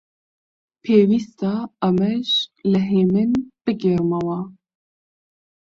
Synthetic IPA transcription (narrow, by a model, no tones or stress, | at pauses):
pʰeːwist̪ɑɐmɛʃlɨɦeːmɨnb̥ɨɡeɾmawɑ